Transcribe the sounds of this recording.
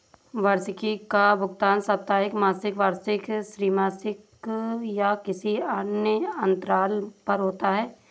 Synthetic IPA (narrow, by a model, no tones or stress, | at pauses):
ʋaɾsɪkikabʱʊɡt̪aːnsɐp̚t̪aːɦɪkmaːsɪkʋaːɾsɪkʃɾiːmaːsɪk | jakɪsiaːnjəɐ̃nt̪ɾaːlpɐɾɦoːt̪aɦɛː